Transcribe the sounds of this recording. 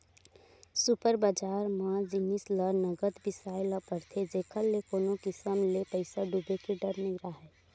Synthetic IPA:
supəɾbəd͡ʒaːɾmãd͡ʒɪnisləɾnəɡət̪bɪsaːɪləpəɾt̪ʰed͡ʒeːkʰəlːekoːnokɪsəmlepəɪsaɖubekeɖəɾnɪɡɾaɦɛː

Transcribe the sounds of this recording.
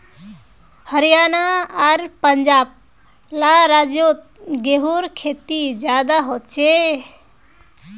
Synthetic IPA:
həɾijanaaɾpəɲd͡ʒaːb̚ | laɾad͡ʒjot̪̚ | ɡeɦuɾkʰet̪id͡ʒjad̪aɦot͡ʃʰe

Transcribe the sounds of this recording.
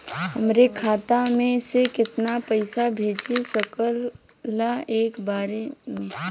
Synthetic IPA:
ɦəmɾekʰaːt̪amẽsekɪt̪napəɪsabʱeːd͡ʒisəkəlː | aeːkbaːɾemẽː

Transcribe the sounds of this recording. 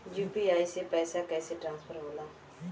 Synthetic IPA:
juːpiaːisepɛːsakɛːseʈɾãːnspʰəɾɦoːlaː

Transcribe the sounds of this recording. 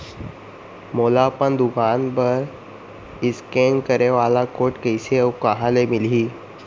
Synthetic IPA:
moːlapənd̪ʊkaːnpɐɾ | ɪskeːnkəɾeʋaːlakoːʈkəɪsekɐɦãlemɪliː

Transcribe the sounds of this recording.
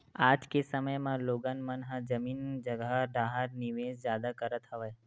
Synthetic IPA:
ad͡ʒkesəməjmãloɡanmənɦãd͡ʒəmiːnd͡ʒəɡaɖʱaɦaɾniʋed͡ʒd͡ʒjad̪akəɾət̪ɦəʋaj

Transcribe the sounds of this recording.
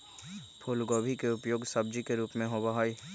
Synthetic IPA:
pʰoːlɡoːbʱikeʊpjoːɡsɐb̚d͡ʒikeɾuːpmẽɦobaɦaːiː

